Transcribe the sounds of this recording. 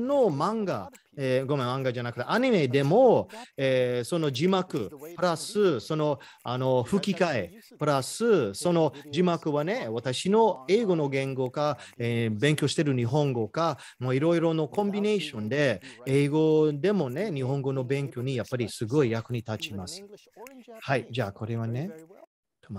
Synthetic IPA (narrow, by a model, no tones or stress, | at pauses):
no̞mãŋɡa̰ | eɡomamãŋɡad͡ʒanakɯ̟t̪ːeʔaɲ̟ime̞d̪e̞mo̞eːso̞no̞d͡ʑimakɯ̟̰pɯ̟ɾasɨso̞no̞ | ano̞ɸɯ̟kʲikae | pɯ̟ɾasɨso̞no̞d͡ʑimakɯ̟βane̞βat̪aɕino̞e̞ːɡo̞no̞ɡẽ̞ŋɡo̞kaeːbẽ̞ŋkʲo̞ɕi̥t̪eɾɯ̟ɲ̟iɦõ̞ŋɡo̞ka | moiɾo̞iɾo̞no̞kõ̞mbine̞ːɕõ̞nd̪e̞eːɡo̞d̪e̞mo̞ne̞ɲ̟iɦõ̞ŋɡo̞no̞bẽ̞ŋkʲo̞ɲ̟ijapːaɾʲisɨɡo̞ijakɯ̟ɲ̟it̪at͡ɕimasɨ̥ | haid͡ʑaːko̞ɾe̞βane̞ | o